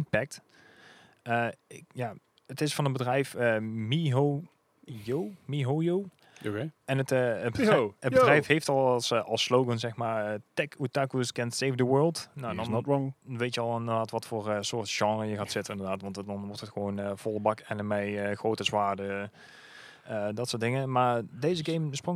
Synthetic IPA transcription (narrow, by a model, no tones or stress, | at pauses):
ɪnpɛk̚t | əɪkjaː | ətɪsfɑnənbədrɛjfəmiɦo | jowmiɦojow | oeɛnətːəbəədrɛjfɦejftɑlˠsɑlˠslowɡənzɛxmaːɹəːtɛkutakuskɛntsejfdəwɜːlˠtnoɛndɔʋejtjəɑlˠɪndəɹdaːtʋɑtfoːɹəsʊːɹtʒ̥ɑŋrəjəɣaːtsɪtənɪndəɹdaːtʋɑntdɑnʋɔɹtətxəʋownəv̥ɔlˠəbɑkɛnəmɛjəxrowtəzʋaːɹdə | ədɑtsʊːɹtdɪŋəmaːɹdejzəɡejmsprʊŋ